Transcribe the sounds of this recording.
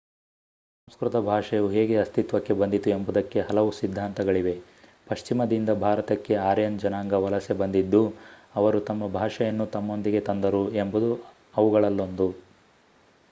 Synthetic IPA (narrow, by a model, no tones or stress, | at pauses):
ssɐmskɾut̪ɐbʱaːʂɐjɐuɦe̞ːɡe̞ɐst̪it̪ʋɐkːe̞bɐnd̪it̪ue̞mbud̪ɐkːe̞ɦɐlɐʋusid̪ʱːaːnt̪ɐɡɐɭiʋe̞ | pɐʃt͡ʃimɐd̪ind̪ɐbʱaːɾɐt̪ɐkːe̞aːɾjɐnd͡ʒɐnaːŋɡɐʋɐlɐsebɐnd̪id̪ːuɐʋɐɾut̪ɐmːɐbʱaːʂɐjɐnːut̪ɐmːo̞nd̪iɡe̞t̪ɐnd̪ɐɾuembud̪u | ɐʋuɡɐɭɐlːond̪u